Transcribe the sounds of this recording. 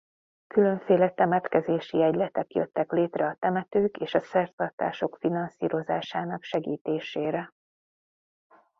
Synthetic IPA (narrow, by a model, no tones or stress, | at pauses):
kylø̞ɱfeːlɛt̪ɛmɛt̪kɛzeːʃiɛɟlɛt̪ɛkjøt̪ːɛkleːt̪rɛɒt̪ɛmɛt̪øːkeːʃɒsɛrt̪ɒrt̪a̰ːʃo̞kfinɒnsḭːɾo̞zaːʃaːnɒkʃɛɡiːt̪eːʃeːɾɛ